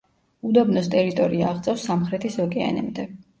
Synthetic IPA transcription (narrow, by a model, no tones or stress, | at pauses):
ud̪ɔbnɔst̪ʼɛɾit̪ʼɔɾiaːʁt̪sʼɛfsːamχɾɛt̪ʰisɔkʼɛa̰nɛ̰md̪ɛ